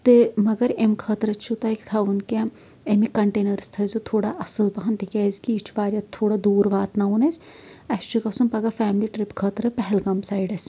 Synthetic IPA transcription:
t̪emɐɡɐɾemkʰəːt̪ɾɐt͡ʃʰut̪ɐjkt̪ʰɐʋunka | emikɐɳʈeːnɐɾst̪ʰɐzut̪ʰoːɽaʔɐsəlbɐɦɐnt̪ikʲaːzkiːt͡ʃʰbaːɾʲjɐt̪ʰoːɽad̪uːɾʋaːt̪nɐunɐs | ɐst͡ʃʰukɐsumpɐɡafɛːmliʈɾɪpkʰəːt̪ɾɐpɛɦɛlɡɐmsaːjɖɐs

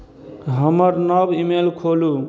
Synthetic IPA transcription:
ɦəməɾnəbimelkʰolu

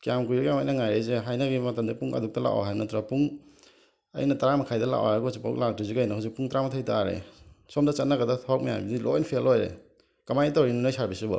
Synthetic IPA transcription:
kijamkujkijamajnɐŋajɾejzeɦajnaɡimɐtamdipuŋɐ̰duk̚tɐla̰wa̰ɦajnɐtuɾapuŋ | ɐ̰jnɐtaɾamɐkʰajdɐla̰ʔwaɾɡɔzipawk̚lak̚dɾiziɡajnaɦawzik̚puŋtɾamɐtʰajtaːɾḛsɔmdɐt͡ʃɐt̚naɡɐdaɔwk̚mija̰mbidilʔɔ̰jnpʰelojɾḛ | kɐmajtɔɾinanojsaɾbisubɐ̰

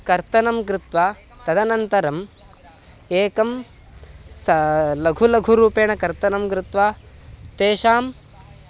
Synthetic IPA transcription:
kɐɾt̪ɐnɐmkɾɪt̪ʋaː | t̪ɐd̪ʱɐnɐnt̪ɐɾɐm | eːkɐm | sɐlɐɡʱulɐɡʱuɾuːpeːɳɐkɐɾt̪ɐnɐmkɾɪt̪ʋaːt̪eːʃaːm

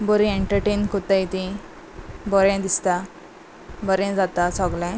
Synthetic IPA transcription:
bɔɾĩeɳʈəɾʈenkut̪ait̪ĩ | bɔɾɛ̃d̪ist̪a | bɔɾɛ̃d͡zat̪asɔɡlɛ̃

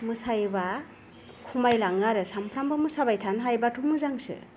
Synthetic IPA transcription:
mɯsajba | kʰumajlaŋɡaɾɯsampʰɾambamɯsabajtʰanɦajbatʰumɯzaŋsɯ̰

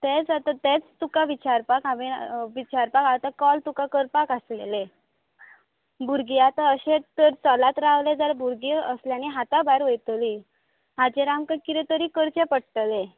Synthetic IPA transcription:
t̪et͡sat̪at̪et͡st̪ukaʋit͡ɕaɾpakaʋiʋit͡ɕaɾpakawt̪akɔlt̪ukakəɾpakaslele | bʱuɾɡiat̪aəɕet̪əɾt͡sɔlat̪ɾaʋled͡zəɾbuɾɡiəsljañiɦat̪abajɾʋəjt̪li | ɦad͡ʑeɾamkəkit̪et̪əɾikəɾt͡ɕepəɽt̪əle

